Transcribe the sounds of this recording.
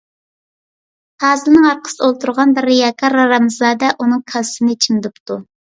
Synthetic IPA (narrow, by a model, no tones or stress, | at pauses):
hɑːzɨlnɨŋɑɾqʰə̥sɨolˠt̪uɾʁɑnbɪɾːijɑkʰɑɾɑɾɑmzɑːd̪ɛʔunɨŋkʰɑsɨnɨt͡ʃʰimd̪ɨpt̪u